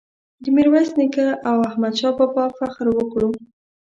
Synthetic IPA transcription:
d̪əmiɾwasnikaʔawahmad̪ʃɑpəpɑfaxɾwəkɽum

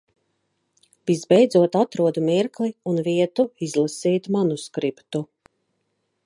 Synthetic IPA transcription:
vizbɛjd̪zuɔt̪at̪ɾuɔd̪umiɾkliunviɛt̪uizlˠasiːt̪manuskɾipt̪u

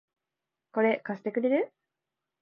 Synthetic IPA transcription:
ko̞ɾe̞kasɨ̥t̪e̞kɯ̟ɾe̞ɾɯ̟

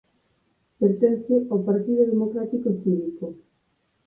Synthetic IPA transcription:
peɾt̪enst̪ʊʔopaɾt̪iðoðemokɾat̪ikosiβiko

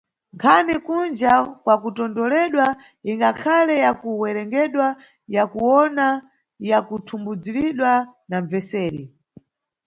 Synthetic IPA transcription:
ŋkʰanɛkund͡ʒakwakutɔndɔlɛɗwa | iŋɡakʰalɛjakuwɛɾɛŋɡɛɗwa | jakuwɔna | jakutʰumbud͡ziɾiɗwanaɱvɛsɛːɾi

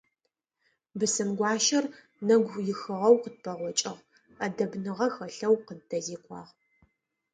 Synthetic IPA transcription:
bɨsɨmɡʷɑːʃɐr | nɐɡʷjɪxɨʁɐwqət̚pʰɐʁʷɔt͡ʃʼɪʁ | ɐdɐbnɨʁɐxɐɬɐwqədtʰɐziːqʷʰɑ̰ːʁ

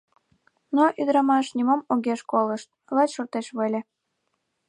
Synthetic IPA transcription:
noʔyd̪ɾɑmɑʃnʲimomoɣeʃkoləʃt̪̚lɑt͡ɕʃort̪eʃβəlʲe

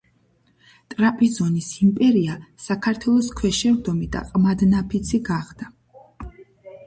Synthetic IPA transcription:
t̪ʼɾapʼizɔnisimpʼɛɾiasakʰaɾt̪ʰwɛlˠɔskʰwɛʃɛɾd̪ɔmid̪a̰qʼmad̪napʰit̪sʰiɡaʁd̪̥a

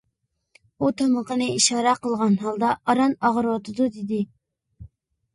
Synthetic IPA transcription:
ut̪ʰɑməqənɨiʃɑːɾɑqəlˠʁɑnɦɑlˠd̪ɑːɾɑnɑʁəɾwɑt̪ʰɨd̪ud̪ɪd̪ɪ

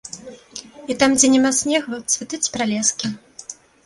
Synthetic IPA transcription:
it̪amd͡zʲɛnʲɛmasʲnʲɛɣvɨwt̪svʲɨt̪ɨt͡sʲpɾalʲɛskʲi

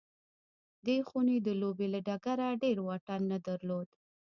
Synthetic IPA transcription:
d̪exuned̪əlobelaɖaɡaɾaɖeɾwɑʈanːad̪aɾlod̪

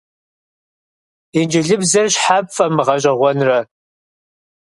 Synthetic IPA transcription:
ind͡ʒɪɮɨbzɐrɕħapfʼɐmɨʁɐɕ̬ʼɐʁʷɔnrɐ

